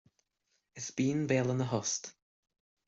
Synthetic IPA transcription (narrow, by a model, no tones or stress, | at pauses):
ɪsb̥iːnveːlˠənəɦɔst̪